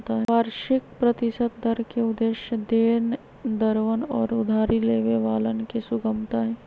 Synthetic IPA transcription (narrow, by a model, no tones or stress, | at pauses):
t̪aɦɛʋaːɾʃɪk̚pɾɐt̪ɪsət̪̚d̪ʱəɾkeʊd̪eːʃjəd̪eːn | d̪əɾʋənɔːɾʊd̪ʱaːɾileːʋeʋaːlənkesʊɡəmt̪aɦɛː